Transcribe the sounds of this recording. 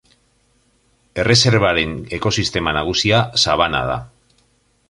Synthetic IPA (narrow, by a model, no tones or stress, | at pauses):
e̞re̞se̞ɾβaɾe̞ne̞ko̞sist̪e̞manaɣ̞usiasaβ̞ana̰ða̰